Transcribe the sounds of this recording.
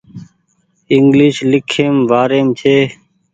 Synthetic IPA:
ɪŋɡliːʃlɪkʰːeːmʋaːɾeːmt͡ʃ̪ʰeː

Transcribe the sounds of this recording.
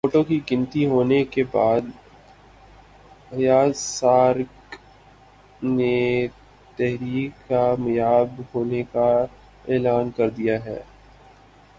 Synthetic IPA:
foːʈokikɪ̃nt̪iɦoːnekebaːd̪ | ɐjaːsaːɾk | ne | t̪ɛɦɾiːkːamɐjaːbhoːneka | eːlaːnkɐɾd̪ijaɦɛ̰ː

